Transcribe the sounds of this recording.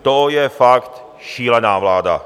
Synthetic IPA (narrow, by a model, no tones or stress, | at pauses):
t̪ojɛfakt̪ | ʃiːlɛnaːvlaːda̰